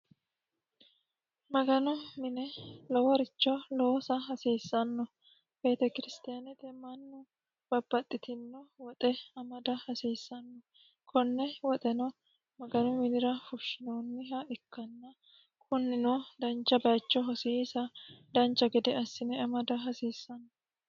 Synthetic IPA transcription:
mɐɡɐnɔmɪnɛlɔwɐɾɪt͡ʃːɔloːsɐɦɐseːsːɐnːɔ | b̥e̞ːt̪ɛkɪɾɪst̪ɪjanɛt̪ɛmɐnːɔ | b̥ɐbːɐt̪ʼːɪt̪ɪnːɔwɔt̪ʼɛɐmɐd̪ɐhɐseːsːɐnːɔ | kʰɔnːɛwɔt̪ʼɛnɔ | mɐɡɐnɔmɪnɪɾɐfʊʃːɪnoːnːɪɦɐɪkːɐnːɐ | kʰʼʊnːɪnod̪ɐnt͡ʃːɐbɐjt͡ʃːɔɦɔsisɐd̪ɐnt͡ʃːɐɡɛd̪ɛɐsːɪnɛɐmɐd̪ɐɦɐseːsːɐnːɔ

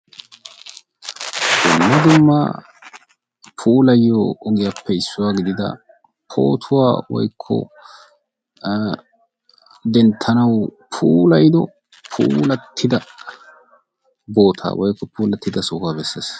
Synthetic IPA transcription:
ɡʊmːɐd̪ʊmːaː | pʰuːlɐjːoːɡɪjapːɛɪsːʊwaːɡɪd̪ɪd̪ɐ̰ | pʰo̰ːt̪ʰʊwaːwɔ̰jkʰːɔ̰ | d̪ɛnt̪ʰːɐnɐwpʰuːlɐjd̪ɔ | pʰuːlɐt̪ʰːɪd̪ɐ | bo̞ːt̪ʰa̰ːwɔjkːɔpuːlɐt̪ːɪd̪ɐsoːkaːbɛsːḛːs

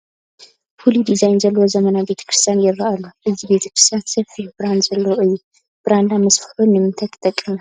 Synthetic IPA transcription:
fulid̪izajnzɐlːɐwozɐmɐnabe̞t̪ʰɐ̥kɾɨst̪ʰjanjɪraʔalːuʔɨzibe̞t̪ʰɐkɾɨst̪ʰjansɐfihbɾand̪zɐlːɐwoʔɨjːu | b̥ɾand̪amɐsfɨħunːɨmɨnt̪ʰɐkʰʼt̪ʼɐkʼːɨma

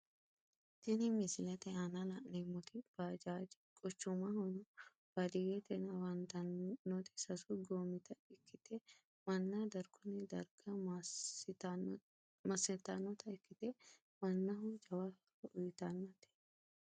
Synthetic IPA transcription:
t̪ɪnɪmɪsɪlɐt̪ɛanɐlaʔnemːʊt̪ɪb̥aːd͡ʒaːd͡ʒ | kʼɔt͡ʃːʊmahɔnɔ | b̥ɐd̪ɪjet̪ɛnɐwɐnt̪ɐnnːɔt̪ɪ̥sɐsʊɡoːmɪt̪ɐɪkːɪt̪e | mɐnːad̪ɐɾɡʊnɪd̪ɐɾɡɐ | mɐsɪt̪ːanːɔt̪ɐɪkːɪt̪e | mɐnːɐɦʊd͡ʒɐwaː | ɐʔʊjʊt̪anːɐt̪ɛ̥

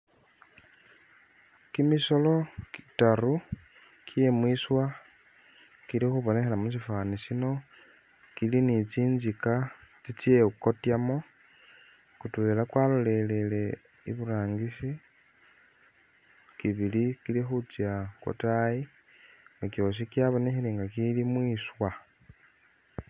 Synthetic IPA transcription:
kimiso̞lo̞ki̥taru | kie̞mwiswa | kilixuβo̞ne̞xelamus̬ifaːnisino̞ | kilinit͡siːnzikat͡sit͡sjeuko̞tjamo | kutuβelakwalo̞le̞lele̞ | ḭβuɾaːŋɡisi | kiβilikilixut͡sjako̰taji | ŋɡako̞ʃ̬ikiaβo̞nexileːŋɡakilimwiːswa

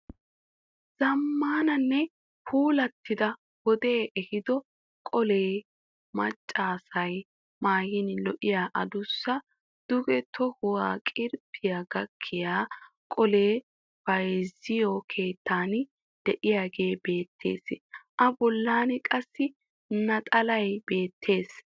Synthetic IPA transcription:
z̥ɐmːaːnɐnːɛ | hʰuːlɐt̪ːɪd̪ɐ | wɔd̪eːʔɛhɪd̪ɔ | kʼɔleː | mɐt͡ʃʼːaːsɐj | maːjɪnlɔʔɪjaːʔɐd̪ʊsːɐ | d̪̥ʊɡɛt̪ʰɔhʊwaːkʼɪɾpʰːɪjaɡɐkʰːɪjaː | kʼɔle̞ː | b̥ɐjzɪjɔkʰe̞ːt̪ʰːaːn | d̪̥ɛʔɪjaːɡe̞ːbe̞ːt̪ʰːḛːsʔɐbɔlːaːnkʼɐsːɪ | nɐt̪ʼɐlɐjbe̞ːt̪ʰːe̞ːs

